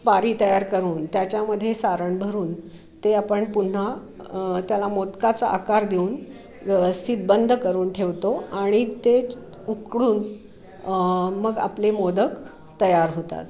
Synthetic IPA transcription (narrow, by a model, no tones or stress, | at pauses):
paɾiːt̪əjaɾkəɾuːnt̪jat͡ɕjaməd̪ʱːjesaɾəɳbʱəɾuːn | t̪eapəɳpun̤a | t̪jalamot̪kat͡saʔakaɾd̪euːn | ʋjəʋəst̪ʰit̪̚bənd̪ʱəkəɾuːnʈʰeʋt̪oaɽ̃it̪e | ukɽuːn | məɡa̰plemod̪ək | t̪əjaɾɦot̪a̰t̪